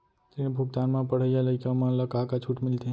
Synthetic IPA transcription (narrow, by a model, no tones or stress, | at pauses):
t̪iñebʱuɡ̚d̪anmãpəɽ̤əjaləjkamãləkakat͡ʃʰuʈmɪlt̪e